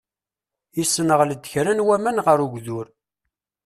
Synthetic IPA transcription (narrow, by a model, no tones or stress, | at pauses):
jisːənəʁləd̪ːçɾænwæmænʁəɾuɡʷðʊɾ